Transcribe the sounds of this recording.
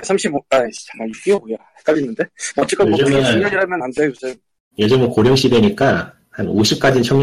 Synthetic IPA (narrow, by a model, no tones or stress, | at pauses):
sʰamɕʰibat͡ɕamaik͈iobojohek͈aɭːinːɯnde̞ʌt͡ɕ͈ek͈aneoɯt͡ɕʌɲʌŋiɾamjʌnandeosʰe | jed͡ʑɯmwʌkoɾjoŋɕ͈ʰidweɲik͈a | hanoɕʰip̚k͈ad͡ʑint͡ɕʰʌŋɲ